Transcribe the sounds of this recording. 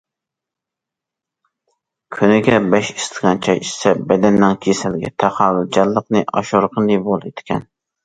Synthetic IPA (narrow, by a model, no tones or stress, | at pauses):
kʲʰynɪɡʲɛbɛʃist̪ʰəʁɑnt͡ʃʰɑjisɛbɛd̪ɛnːɪŋkʲʰesælɡʲɛ̰t̪ʰæχɑwyd͡ʒɑlːəqnɨʔɑ̰ʃoɾqʰənɨbolˠet̪ʰkʲʰɛn